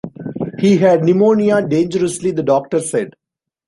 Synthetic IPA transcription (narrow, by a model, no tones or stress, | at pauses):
hiːɦæɖnɪmoːniaɖẽːnd͡ʒəɾəslid̪əɖɔːk̚ʈəɾsɛɖ